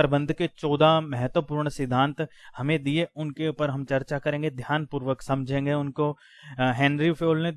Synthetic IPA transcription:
ɾəbə̃nd̪ʱket͡ʃɔːd̪ʱamɛɦɛt̪wəpuːɾɳsɪd̪ʱãːnt̪hɐmẽd̪ieʊnkeupəɾɦɐmt͡ʃɐɾt͡ʃakɐɾẽːŋɡed̪ʱjaːnpuːɾʋəksɐ̃md͡ʒʱẽːŋɡeʊnko | ɦɛ̃ːnɾipʰoːlne

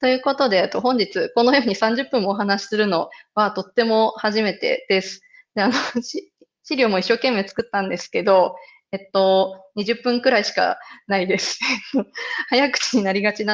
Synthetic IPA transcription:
t̪o̞jɯ̟ːko̞t̪o̞d̪e̞t̪ːo̞ɦõ̞ɲ̟d͡ʑit͡sɨko̞nojo̞ːɲ̟isãɲ̟d͡ʑɨpːɯ̟̃ɰoɦanaɕi̥sɨɾɯ̟no̞βat̪o̞t̪ːe̞mo̞haʑime̞t̪e̞̰d̪̥e̞sɨ̥ | d̪eano̞ɕi | ɕiɾʲoːmo̞iɕːo̞ːke̞mːe̞ːt͡sɨ̥kɯ̟t̪ːãnd̪e̞sɨ̥ke̞d̪o̞ | et̪ːo̞ɲ̟iʑɨpːɯ̟̃ŋkɯ̟ɾaiɕi̥ka̰naid̪e̞sɨ̥et̪ohajakɯ̟̥t͡ɕiɲ̟inaɾʲiɡat͡ɕina

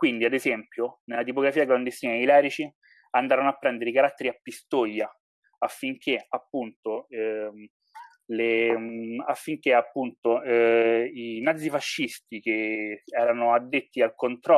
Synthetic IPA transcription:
kwind̪iad̪ezɛmpjonelːat̪ipoɡɾafiːaɡland̪est̪iːnailɛːɾit͡ʃi | and̪aːɾanoapːɾɛnd̪eɾeikaɾat̪ːeɾiapːist̪ojːa | afːiŋk̟eapːunt̪oɛ | le | afːiŋk̟eapːunt̪o | inad̪zːifaʃːist̪ik̟eɛːɾanoad̪ːet̪ːialkont̪ɾɔ

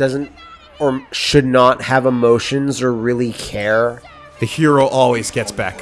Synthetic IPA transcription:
d̥ʌzɨ̃nt | ə˞ʃɨdⁿnət̚hɨvəmoʊʃɨ̃nzə˞ɹɪlˠikʰɛɹ | ðɨhiɹoʊʔɔlˠwizɡɛtsb̥æ̰k

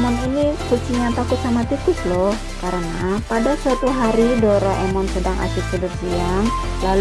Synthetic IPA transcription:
mɔninikut͡ʃiɲat̪akʊt̪̚samat̪ikʊslɔh | kaɾənapadasuət̪iɦaɾidɔɾɔʔɛmɔnsədaŋʔa̰sɪk̪̚sədərsiaŋ | lal

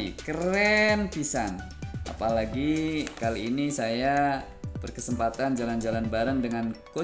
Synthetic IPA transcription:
ḭkəɾɛnpisan | ʔa̰palaɡikaliːnisaja | b̥ərkəsəmpat̪and͡ʒaland͡ʒalanbaɾəŋdəŋanko

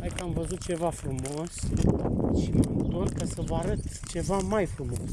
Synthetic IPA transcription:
ajkəamvəzut̪̚t͡ʃe̞vafɾumo̞s | ʃiməmt̪ot̪kasəvəaɾət̪t͡ʃe̞vamajfɾumo̞̰s

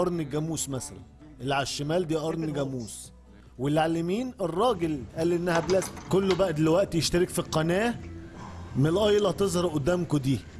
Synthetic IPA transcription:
ʔɑɾˤneɡæmuːsmæsælæn | ʔelːʕaʃːæmæːld̪iːʔɑɾˤnɡæmuːs | welːʕalemiːnerˤːɑːɡelʔæːlːʔenːæhæblæːt̪kolːobæʔæd̪elwæʔt̪jeʃt̪æɾekfiqːɑnæː | menlʔɑjlɑt̪ezˤhɾˤɑʔod̪ːæːmkod̪iː

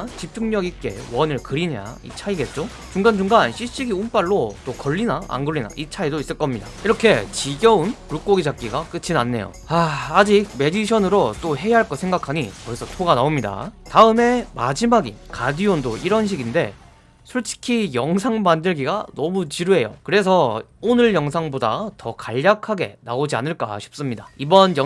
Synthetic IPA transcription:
t͡ɕip̚t͡ɕ͈uŋɲʌɡik͈e̞̰wʌnɯɭkɯɾiɲa̰ḭt͡ɕʰaiɡe̞t̚t͡ɕ͈o | t͡ɕuŋɡand͡ʑuŋɡanɕʰiɕ͈iɡiump͈aɭːot͈okʌɭːinaa̰ŋɡoɭːina̰ʔit͡ɕʰaidois͈ɯɭk͈ʌmɲida̰iɾʌkʰe̞t͡ɕiɡjʌunpɾuk͈oɡid͡ʑak͈̚iɡak͈ɯt͡ɕʰinanːe̞̰jo̰aːd͡ʑiɡ̚me̞diɕʰʌnɯɾot͈oɦe̞jaɦaɭk͈ʌsʰe̞ŋɡakʰaɲikʌisʰʌtʰoɡanaomɲida̰taɯme̞mad͡ʑimaɡḭkadiondoiɾʌnɕ̬ʰiɡinde̞̰ | sʰuɭt͡ɕʰi̥kʰijʌŋsʰaŋmandɯɭɡiɡanʌmut͡ɕiɾuɦe̞jo̰kɯɾe̞s̬ʰʌ | onɯɭjʌŋs̬ʰaŋboda̰tʌkaʎːakʰaɡe̞̰naod͡ʑia̰nɯɭk͈a̰ɕʰi̥p̚s͈ɯmɲidaibʌnjʌ

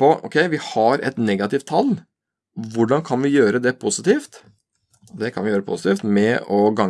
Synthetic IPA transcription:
pɔɔ̰kʰɛɪʋɪhɑɾɛ̰t̪nɛɡɑt̪ɪft̪ʰːɑl | ʋʊɖɑnkʰɑnʋɪjøːɾəd̪ɛpʰʊsɪt̪iːft̪ | d̪ɛkʰɑnʋɪjøːɾəpʰʊ̰sə̥t̪iːft̪mɛʔɔɡɑŋ

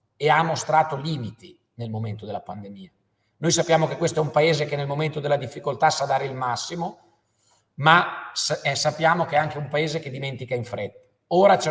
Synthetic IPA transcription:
eamːost̪ɾaːt̪oliːmit̪i | nelmoment̪od̪elːapand̪emiːa | nojsapːjaːmokekːwest̪oɛumpaeːzekenelmoment̪od̪elːad̪ifːikolt̪asad̪aːɾeilmasːimo | masɛsapːjaːmokeɛaŋk̟eumpaeːzeked̪iment̪ikaiɱfɾet̪ːḁ | oːɾat͡ʃɛ

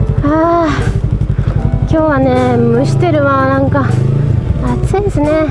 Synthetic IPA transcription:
a | kʲo̞ːβane̞mɯ̟ɕi̥t̪e̞ɾɯ̟βanãŋka | at͡sĩsɨne̞

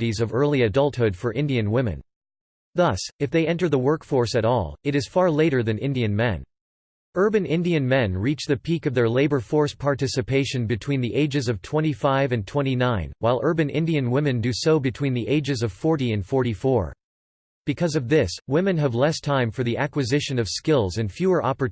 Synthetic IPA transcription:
ɾizʌvɜ˞lˠiɨdʌlˠt̚hʊd̥fə˞ʔɪ̃ndiɨ̃nwɪ̃mɨ̰̃n | ðʌsɨfðeɪɛ̃ntə˞ðəwɜ˞kfɔɹsɨɾɔ̰lˠɨɾɨz̥fɑɹleɪɾə˞ðɨ̃nɪ̰̃ndiɨ̃nmɛ̰̃n | ɜ˞bɨ̃nɪ̃ndiɨ̃nmɛ̃nɹit͡ʃðɨpʰikʌvðə˞leɪbə˞fɔɹspʰɑɹtɪsɨpʰeɪʃɨ̃nbɨtʰw̥ĩnðiʔeɪd͡ʒɨzʌv̥tʰw̥ɛ̃ɾ̃ifaɪvɨ̃ntʰw̥ɛ̃ɾ̃inãɪ̃nwaɪlˠɜ˞bɨ̃nɪ̰̃ndiɨ̃nwɪ̃mɨ̃ndɨsoʊbɨtʰw̥ĩnðiʔeɪd͡ʒɨzʌv̥fɔɹɾiɨ̃nfɔɹɾifɔɹ | b̥ɨkʰʌzʌvðɪswɪ̃mɨ̃nɨvlɛstʰãɪ̃ɱfə˞ðiʔækwɨzɪʃɨ̃nʌv̥skɪlˠzɨ̃nfjʉə˞ʔɑpə˞

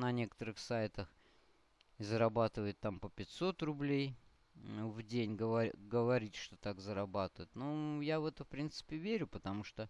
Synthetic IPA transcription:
nɐnʲe̞kə̥t̪əɾɨxsajɪt̪əx | ɪzəɾɐbat̪ɨvəjɪt̪ːampəpʲɪtʲso̞t̪rʊblʲej | vdʲenʲɡəvɐɡəvɐɾʲitʲʂt̪ot̪akzəɾɐbat̪ɨjɪt̪nojavɛt̪əfpɾʲint̪sɨ̥pʲɪvʲeɾʲʊpət̪ɐmuʂt̪o

